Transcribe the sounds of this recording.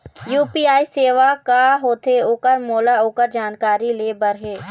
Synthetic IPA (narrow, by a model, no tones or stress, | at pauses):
juːpiːaːiseːʋakaɦoːt̪eoːkəɾmoːlaoːkəɾd͡ʒaːnkaːɾileːbəɾɦeː